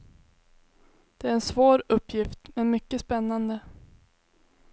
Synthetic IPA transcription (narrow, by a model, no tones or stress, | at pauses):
d̪̥ɛæɾɛnsvoːɾɵpːjɪft̪mɛnmʏkːəspɛnːand̪ə